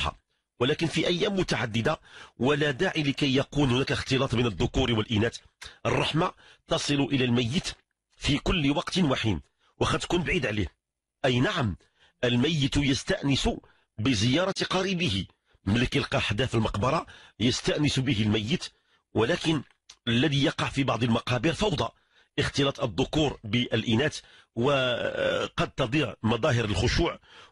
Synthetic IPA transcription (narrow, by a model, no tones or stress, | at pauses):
ħa̰ | wəlækənfiʔæjːæmːʊt̪aʕad̪ːɪd̪awəlæd̪aʕiləkæjːɑqunhʊnækaxt̪ɨlɑt̪ˤbinəd̪ːʊkuɾwəlʔinæt̪ | ʔərˤːɑħmat̪ɑsˤɨlʊʔəlælmæjːət̪ | fikʊlːwɑqt̪nwaħid̪ | wəxæd̪ːkunbʕid̪ʕlih | ʔæjnaʕam | ʔəlmæjːət̪jəst̪aʔnɪsu | bəzəjɑɾˤɑt̪qɑɾibəhi | mələkəlqɑħd̪æfəlmɑqbɑɾˤɑjəst̪aʔnɪsbəɦəlmæjːət̪ | wəlækən | əlːæd̪ijɑqɑʕfibɑʕd̪ˤəlmɑqɑbiɾfɑwd̪ˤɑ | ʔəxt̪əlɑt̪ˤəd̪ˤːʊkuɾbəʔəlʔinæt̪ | wə | qɑd̪̚t̪ɑd̪ˤiʕmɑd̪ˤɑɦəɾəlxʊʃuːʕ